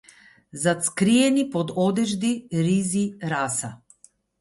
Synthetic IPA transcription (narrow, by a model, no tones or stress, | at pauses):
zat̪skɾiɛnipɔd̪ɔd̪ɛʒd̪iɾiziɾasa̰